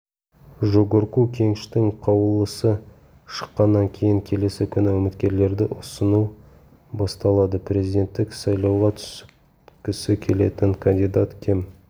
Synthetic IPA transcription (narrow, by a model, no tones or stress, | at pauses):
ʒoɡʊɾkukʲʰe̞ŋɪʃt̪ɪŋqʰɑwəlˠəsə | ʃə̥qːɑnːɑŋkʲʰe̞jɪŋkʲʰe̞le̞sɪkʲʰʏnɪwɵmɪt̪kʲe̞ɾle̞ɾd̪ɪʔʊsənu | bɑst̪ɑlˠɑd̪əpʰre̞zijd̪ʲe̞nt̪ːɪksɑjlˠɑwʁɑt̪ʰʏ̥s | kʲɪsɪkʲʰe̞le̞t̪ɪŋkʰand̪ijd̪at̪kʲʰe̞m